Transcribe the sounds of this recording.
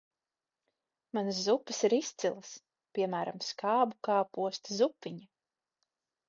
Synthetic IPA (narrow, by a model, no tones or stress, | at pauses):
manszupːɐsiɾist̪sʲilˠas | pʲiɛmæːɾamskaːbukaːpuɔst̪zupːiɲa